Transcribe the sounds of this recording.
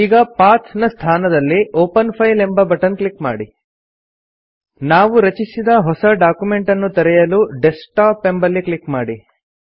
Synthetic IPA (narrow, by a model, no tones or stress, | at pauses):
iːɡɐpaːt̪ʰnɐst̪ʰaːnɐd̪ɐlːiʔoːpɐnpʰɐjle̞mbɐbɐʈɐnklikma̰ːɽi | naːʋuɾɐt͡ʃisid̪ɐɦɔsɐɖaːkjume̞ɳʈɐnːut̪ɐɾɛjɐluɖesʈaːpːe̞mbɐlːiklikmaːɽi